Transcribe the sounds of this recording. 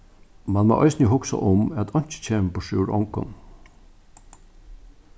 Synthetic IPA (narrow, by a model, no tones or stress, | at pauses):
manmo̰ʔɔʏsnjəɦʊksa̰ʔʊmæt̪ʰɔɲ̥t͡ʃɪ̥t͡ɕʰeːmpɔʃɪwɹɔ̰ŋkʊ̰n